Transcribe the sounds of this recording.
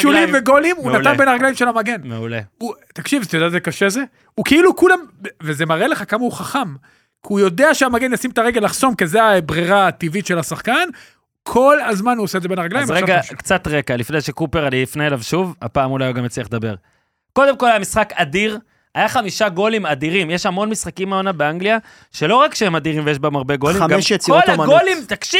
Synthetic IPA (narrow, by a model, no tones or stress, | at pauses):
ʃuliveɡolimunatanbenaʁaɡlajimʃelhamaɡe̞nmeuleut̪akʃivtajod̪ɛatzekaʃeze̞ | ukiilukulamvezemaʁele̞χakamauχaχam | kiujo̞d̪eaʃeamaɡe̞njasimetaʁeɡelaχso̞mkezeabʁiʁat̪ivit̪ʃelhasaχkan | kʰolazmanuosedzebenaʁaɡlajjmʁeɡakt͡sat̪ʁe̞kalifneʃekupeʁaniifneelavʃuva̰paːmulajɡamjet͡sliaχd̪abe̞ʁ | ko̞d̪emkolajamisχakad̪iʁ | ajaχamiʃaɡo̞limad̪iʁimjeʃhamo̞nmisχakimaonabeaŋɡlia | ʃe̞lo̞ʁakʃehemad̪iʁimvejeʃ̬baemaʁbe̞ɡoliamɡʃjet͡skioolmɡolimt̪akʃi